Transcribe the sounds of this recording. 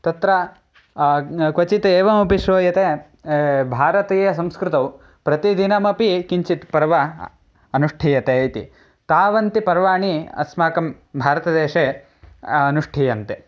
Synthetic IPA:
t̪ɐt̪ɾɐ | kʋɐt͡ʃit̪eːʋɐmɐpiʃʋoːjɐt̪e | bʱaːɾɐt̪iːjɐs̬ɐmskɾɪt̪ɐw | pɾɐt̪id̪inɐmɐpikiɲt͡ʃit̪pɐɾʋɐ | ɐnuʂʈʰiːjɐt̪eɐjt̪ḭ | t̪aːʋɐnt̪ipɐɾʋaːɳiɐ̰smaːkɐm | bʱaːɾɐt̪ɐd̪eːʂeː | ɐnuʂʈʰiːjɐnt̪e

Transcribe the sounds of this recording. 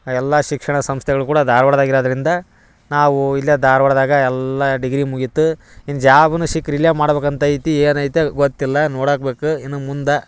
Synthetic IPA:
ɛlːɐʃikʂɐɳɐsɐmst̪ʰɛɡɐɭukuːɽɐd̪aːɾʋɐɽd̪aːɡiɾoːd̪ɐɾind̪ɐ | naːʋuilːijɐd̪aːɾʋɐɽd̪aːɡɐɛlːɐɖiɡɾimuɡit̪ːuinːd͡ʒaːbɐnuʃikɾiljamaːɽbeːkɐnt̪ɐit̪ieːnɐjit̪jeɡot̪ːilːɐnoːɽaːkbe̞ːkuinːumund̪ɐ

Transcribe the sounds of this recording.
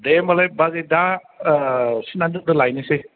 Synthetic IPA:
demalajbazeda | sinandɯdɯlajnese

